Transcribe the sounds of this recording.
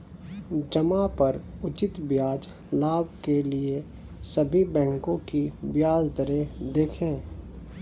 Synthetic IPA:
d͡ʒɐmapɐɾʊt͡ʃɪt̪bjaːd͡ʒ | laːbʱkelie | sɐbʱibɛ̃ːŋkõkibjaːd͡ʒd̪əɾed̪eːkʰẽː

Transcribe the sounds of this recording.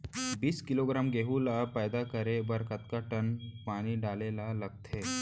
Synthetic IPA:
biːskɪloːɡɾaːmɡeːɦulapɛːd̪akəɾebɐɾkət̪kaʈənpaːniɖaːleːlalɐɡ̚t̪ʰeː

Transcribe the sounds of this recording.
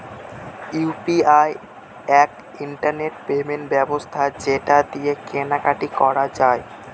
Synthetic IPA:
piaj | ɛk | iɳʈaɾneʈpemeɳʈbɛbost̪ʰad͡ʑeʈad̪iekenakaʈikɔɾad͡ʑae

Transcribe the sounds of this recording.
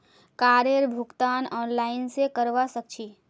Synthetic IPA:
kaːɾeɾbʱʊkt̪anɔnlaɪnsekəɾʋasək̚t͡ʃʰi

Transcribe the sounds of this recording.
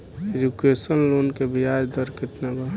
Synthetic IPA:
ed͡ʒukesənloːnkebijaːd͡ʒd̪əɾkɪt̪naɡa

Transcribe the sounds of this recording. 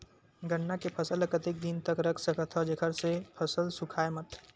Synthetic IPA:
ɡəɳːakepʰəsələkət̪ek̚d̪int̪əkɾəkʰsəkət̪ʰɔd͡ʒekʰəɾsepʰəsəlsʊkʰaːemət̪

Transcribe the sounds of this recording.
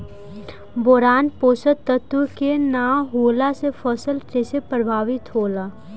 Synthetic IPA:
bɔːɾaːnpoːsət̪ət̪ukenaːɦoːlasefʰəsəlʈeːsepɾəbʱaːʋɪt̪ɦoːlaː

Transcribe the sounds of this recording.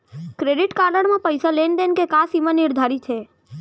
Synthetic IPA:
kɾeɖɪʈkaləɳmãpəjsalend̪enkekasimãnɪɾd̪ʱaɾit͡ʃʰe

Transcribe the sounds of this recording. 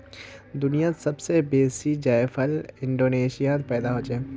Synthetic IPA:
d̪ʊnijasɐbsebeːsid͡ʒaefʰəlɪ̃ɳɖoːneːʃijat̪pɛːd̪aɦoːd͡ʒɛː

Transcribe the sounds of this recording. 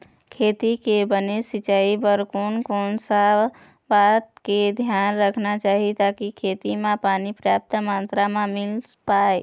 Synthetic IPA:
kʰet̪ikebənesit͡ʃaibəɾkonkonsa | bat̪ked̪ʱjanɾəkʰnat͡ʃaːɦit̪akikʰet̪imẽpanipɾjap̚t̪əmant̪ɾamẽmil | pae

